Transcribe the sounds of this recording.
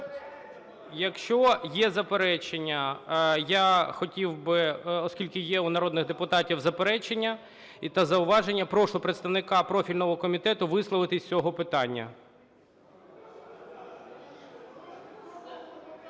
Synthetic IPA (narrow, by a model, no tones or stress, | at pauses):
jɐkʃt͡ʃɔjɛzɐpeɾɛt͡ʃenʲːɐjaxɔtʲiwbɪɔskʲilʲkɪjɛunɐɾɔd̪nɪɣd̪epʊt̪ɑtʲiwzɐpeɾɛt͡ʃenʲːɐ | it̪ɐzɐʊʋɑʒenʲːɐpɾɔʃlˠɔpɾet̪st̪ɐʋnɪkɑpɾɔfʲilʲnɔɦɔkɔmʲit̪ɛt̪ʊʋɪslˠɔʋɪt̪ɪsʲt͡sʲɔɦɔpɪt̪ɑnʲːɐ̰